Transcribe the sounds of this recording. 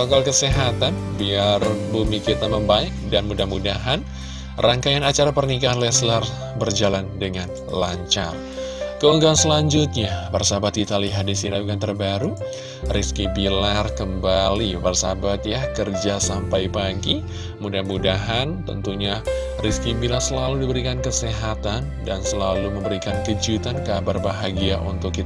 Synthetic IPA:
aakalkəseɦat̪anbiarbumikit̪aməmbaɪk̚danmudahmudaɦan | rʔaŋkajanat͡ʃaɾapərnikalɛslar | bərd͡ʒalandəŋan | laɲt͡ʃa̰r | kəuŋɡaansəlaɲd͡ʒʊt̪̚ɲabərsabat̪̚ɡit̪aliɦadisinauɡant̪ərbaɾu | riskibilarkəmbalibarsa̰bat̪̚jakərd͡ʒasampajbaɡi | mudahmudaɦant̪ə̰nt̪uɲa | riskibilarsəlaludibəɾikankəseɦat̪an | dansəlaluməmbəɾikankəd͡ʒut̪ankabarbaɦaɡiaʔṵnt̪ʊkːit̪

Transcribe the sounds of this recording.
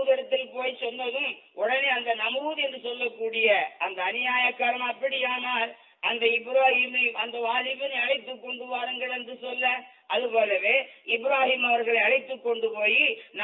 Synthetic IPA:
ɣɐɾɐt̪ːɪlpoːjsɔnːɐðɯmʔʊɽɐneːɐnd̪ɐnɐmɯːðɛndɯsɔlːɐkːuːɽɪjɐɐnd̪ɐːnɪjaːjɐkːɐɾɐmɐpːɐɽɪjaːnaːl | ʔɐnd̪ɐɪbɪɾaːhimɐmɐnd̪ɐʋaːlɪʋɪnɐɽɪt̪ːɯkːɔɳɖɯʋaːɾɐŋɡɐɭɛndrɯsɔlːɐ | ʔɐðɯpoːlɐʋeːɪbɪɾaːhimɐʋɐɾɣɐɭɐɪɐɻɪt̪ːɯkːɔɳɖɯpoːjin

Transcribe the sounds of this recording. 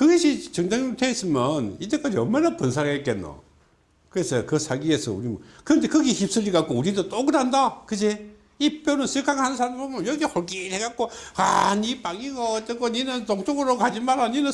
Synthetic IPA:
kɯɡʌɕʰit͡ɕʌŋdaŋotʰeis͈ɯmjʌnitek͈ad͡ʑiʌmanapɯns̬ʰaɾek͈enːo̰ | kɯɾesʰʌkɯsʰaɡiesʰʌ̰ṵɾimkɯɾʌnde̞kɯɡeçip̚s͈ɯʎiɡak͈ouɾidot͈oɡɯdandakɯd͡ʑe | ip͈jonɯnsʰɯɭkʰaŋhanɯnsʰaɾambomjʌnjʌɡehʰoɭkiɾeɡak͈oa̰nipaŋiɡat͈ɯkoninɯntoŋt͡ɕoɡɯɾokad͡ʑimaɾaninɯn

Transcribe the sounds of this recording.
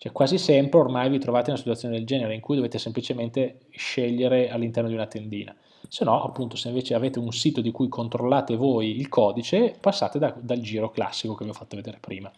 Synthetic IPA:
t͡ʃoɛkwaːzisɛmpɾeormajvit̪ɾovaːt̪eunasit̪wut̪sjoned̪eld͡ʒɛːneɾeiŋkujd̪oveːt̪esemplit͡ʃement̪e | ʃeʎːeɾealːint̪ɛrnod̪iunat̪end̪ḭːna̰ | senːɔʔapːunt̪o̥seiɱveːt͡ʃeaveːt̪eunsiːt̪od̪ikujkʰont̪ɾolːaːt̪evojilkʰɔːd̪it͡ʃepasːa̰ːt̪ed̪ad̪ald͡ʒiːɾokla̰sːikokeviofat̪ːeved̪eːɾepɾiːma

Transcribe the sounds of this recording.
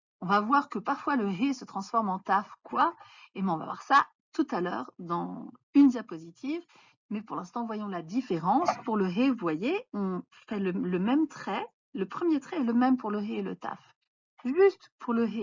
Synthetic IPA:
ɔ̃vavwaʁkəpaʁfwaləɦesət̪χɑ̃sfɔʁmɑ̃t̪afkwaemɛɔ̃va̰vwa̰ʁsa | t̪ut̪alœ̰ːʁd̪ɑ̃ | ynd̪japozit̪ʰiv | mɛpuʁlɛ̃st̪ɑ̃vwajɔ̃lad̪ifeʁɑ̃spuʁləɦevuvwajeɔ̃ | fɛlələmɛmt̪χɛ | ləpχəmjet̪χɛɛləmɛmpuʁləɦeːlə̰t̪a̰f | ʒyst̪pʰuʁləɦe

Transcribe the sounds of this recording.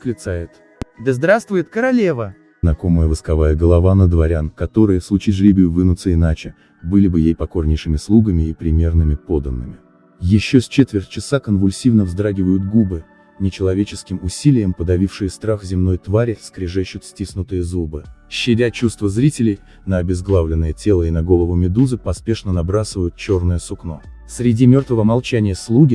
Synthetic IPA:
klʲɪt̪sajɪt̪ | d̪əzd̪ɾast̪vʊjɪt̪kəɾɐlʲevə | znɐko̞məjəvɨskɐvajəɡəlˠɐvanəd̪vɐɾʲankɐt̪o̞ɾɨjəslˠʊt͡ɕitʲʐlʲibʲɪjʊvɨnʊt̪səɪnat͡ɕɪ | bɨlʲɪbɨjejpɐko̞rnʲɪjʂɨmʲɪslˠuɡəmʲɪːpɾʲɪmʲe̞rnɨmʲɪpo̞d̪ənːɨmʲɪ | jɪɕːosʲt͡ɕet̪vʲɪrtʲt͡ɕɪsakənvʊlʲsʲivnəvzd̪ɾaɡʲɪvəjʊt̪ɡubɨ | nʲɪt͡ɕɪlˠɐvʲet͡ɕɪskʲɪmʊsʲilʲɪjəmpəd̪ɐvʲifʂɨjəst̪ɾaxzʲɪmno̞jt̪vaɾʲɪskɾʲɪʐɛɕːʊt̪sʲtʲisnʊt̪ɨjəzubɨɕːɪdʲat͡ɕust̪vəzɾʲitʲɪlʲɪj | nəɐbʲɪzɡlˠavlʲɪnːəjətʲelˠəɪnɐɡo̞lˠəvʊmʲɪd̪uzɨpɐspʲeʂnənɐbɾasɨvəjʊt̪̚t͡ɕo̞rnəjəsʊknosʲɾʲɪdʲimʲo̞rt̪vəvəmalˠt͡ɕænʲɪjəslˠuɡʲɪ

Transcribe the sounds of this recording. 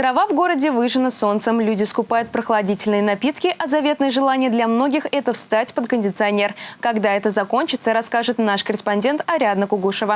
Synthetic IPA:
t̪ɾɐvavɡo̞ɾədʲɪvɨʐɨnəso̞nt̪səmlʲudʲɪskʊpajʊt̪̚pɾəxlˠɐdʲitʲɪlʲnɨjənɐpʲit̪kʲɪʔɐzɐvʲe̞t̪nɨjəʐɨlˠanʲɪjəd̪lʲɐmno̞ɡʲɪxɛt̪əfst̪atʲpət̪kənʲdʲɪt̪sɨɐnʲe̞rkɐɡd̪aɛt̪əzɐko̞nʲt͡ɕɪt̪səɾɐskaʐɨt̪naʂkəɾʲɪspɐnʲdʲe̞nt̪ɐɾʲad̪nəkʊɡuʂəvə

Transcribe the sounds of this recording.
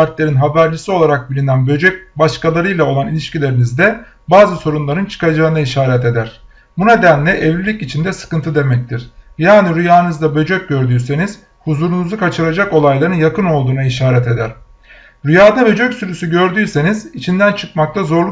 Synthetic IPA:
aɾt̪lʲe̞ɾinɦabæɾlʲisio̞lˠaɾak̚bilʲinænbø̞d͡ʒøc̚baʃkalˠaɾɯjlˠao̞lˠanilʲiʃcilʲe̞ɾinizd̪ɛ | baːzɯso̞ɾunlˠaɾɯnt͡ʃʰɯ̥kad͡ʒaɯnaiʃaːɾɛt̪e̞d̪æɾ̥ | buned̪ænlʲɛʔɛvlʲilʲicit͡ʃʰind̪ɛsɯ̥kɯnt̪ʰɯd̪e̞mɛc̚t̪ʰiɾ̥jaːniɾyjaːnɯzd̪abø̞d͡ʒøc̚ɟø̞ɾd̪yːse̞niz̥ | huzuɾunuzukʰat͡ʃʰɯlˠad͡ʒako̞lˠajlˠaɾɯnjakɯno̞lˠd̪uːnaiʃaːɾɛt̪e̞d̪æɾ̥ | ɾyjaːd̪abø̞d͡ʒøcsyɾysyɟø̞ɾd̪yːse̞niz̥it͡ʃʰind̪ænt͡ʃʰɯkmak̚t̪ʰˠazo̞ɾlˠu

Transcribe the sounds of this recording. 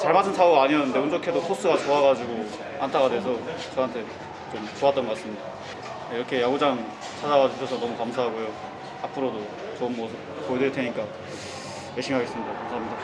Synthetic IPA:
t͡ɕaɭmatʰɯnsʰauɡaɲimjʌnːeund͡ʑokʰe̞dosʰos͈ɯɡat͡ɕoaɡad͡ʑiɡo | antʰaɡadwe̞sʰʌt͡ɕʌɦantʰe̞ | t͡ɕomt͡ɕoat͈ʌnɡʌk͈as͈ɯmɲida | iɾʌkʰe̞jaɡud͡ʑaŋ | t͡ɕʰad͡ʑaɡad͡ʑuɕʰʌsʰʌnʌmukamsʰaɦaɡojo | apʰɯɾodo | t͡ɕʌmːwʌ | pojdeɭtʰeɲik͈a | jeɕʰimiɦaɡe̞s͈ɯmɲidakamsʰaamida

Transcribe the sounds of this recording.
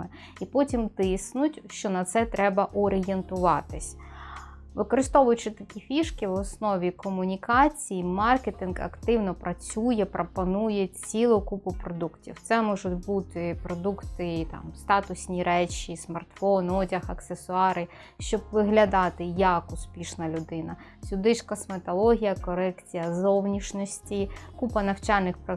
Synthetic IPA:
ɪ | ipɔtʲimt̪ɪsnʊtʲʃt͡ʃɔnɐt̪sɛt̪ɾɛbɐʔɔɾɪjent̪ʊʋɑt̪ɪsʲ | ʋɪkɔɾɨst̪ɔʋʊjʊt͡ʃɪt̪ɐkʲifʲiʃkɪwɔsnɔʋʲikɔmʊnʲikɑt͡sʲijimɑrket̪ɪnɡɐ̰kt̪ɪwnɔpɾʔɐt͡sʲujɛpɾʔɔpɔnujɛt͡sʲilˠʊkupʊpɾɔd̪uktʲḭwt̪sɛmɔʒʊtʲbut̪ɪpɾɔd̪ukt̪ɪt̪ɑ̰mst̪ɑt̪ʊsʲnʲiɾɛt͡ʃismɐrt̪fɔnɔdʲɐxɐksesʊɑɾɪ | ʃt͡ʃɔbʋɪɦlʲɐd̪ɑt̪ɪjɐkʊspʲiʃnɐlʲʊd̪ɪnɐ | sʲʊd̪ɪt͡ʃkɐsmet̪ɔlˠɔɦʲijɐkɔɾɛkt͡sʲijɐzɔwnʲiʃnɔsʲtʲikupɐnɐwt͡ʃɑlʲnɪxp

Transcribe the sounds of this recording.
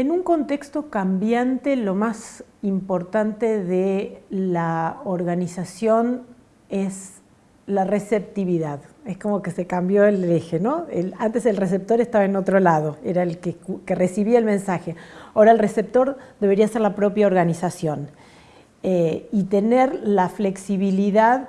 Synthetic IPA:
enuŋko̞nt̪e̞kst̪o̞kambjant̪e̞lo̞masimpo̞ɾt̪ant̪e̞ðelaoɾɣanisasjo̞n | es | laresep̚t̪iβiðaðesko̞mo̞ke̞se̞kambjoelexeno̞elant̪eselres̬ep̚t̪o̞ɾe̞st̪aβaenot̪ɾo̞lað̞o̞eɾaelkekeresiβiaelmẽnsaxe̞aoɾaelrese̞p̚t̪o̞ɾd̪eβe̞ɾiaseɾlapɾo̞pjaoɾɣanisasjo̞n | eit̪e̞neɾlafle̞ksiβiliðað

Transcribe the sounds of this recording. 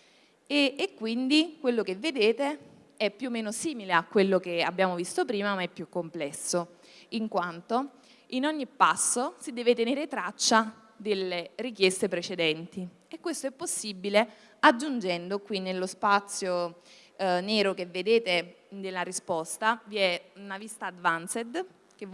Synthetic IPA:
eːkːwind̪ikwelːokevːed̪eːt̪e | ɛpːjuːmːeːnosiːmileakːwelːok̟ea̰bːjaːmovist̪opɾiːmamaɛpːjukːomplɛsːo | iŋkwant̪o | inɔɲːipːasːosid̪ɛːvet̪eneːɾet̪ɾat͡ʃːa | d̪elːerikjɛst̪epɾet͡ʃed̪ɛnt̪i | ekːwest̪oɛpːosːibile | ad͡ʒːund͡ʒɛnd̪okwinelːospat̪sːjo | neːɾokevːed̪eːt̪e | d̪elːaɾispɔst̪aviɛunavist̪ad̪vansed̪ | k̟e

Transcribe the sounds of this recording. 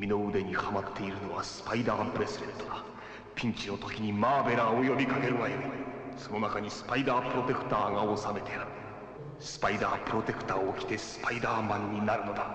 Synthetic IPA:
mʲino̞ɯd̪e̞ɲ̟ihamat̪ʰːe̞iɾɯ̟no̞βasɨ̥paid̪aːpɯ̟ɾe̞sɨɾẽ̞nt̪ːo̞d̪a | pʲĩɲ̟t͡ɕino̞t̪o̞kʲiɲ̟imaːbe̞ɾaojo̞bʲikake̞ɾɯ̟βaiiso̞no̞nakaɲ̟isɨ̥paid̪aːpɯ̟ɾo̞t̪e̞kɯ̟̥t̪aːɡao̞same̞t̪ʰe | sɨ̥paid̪aːpɯ̟ɾo̞t̪e̞kɯ̥t̪aːoːkʲi̥t̪e̞sɨ̥paid̪aːmãɲ̟ːinaɾɯ̟no̞d̪a

